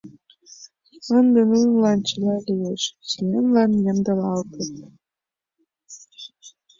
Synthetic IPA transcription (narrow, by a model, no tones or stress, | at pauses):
ɤnd̪ɤ̆nunlɑnt͡ɕɤ̆lɑlʲijeʃt͡ɕilenlɑnjĕmd̪ɤ̆lɑlt̪ɤt̪̚